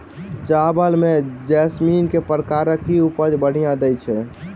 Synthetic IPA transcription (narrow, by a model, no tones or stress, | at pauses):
d͡ʒabəlmed͡ʒɛsminkepəɾkaɾəkːiupəd͡ʒbəɽ̤ijãd̪ɛjt͡ʃʰɛ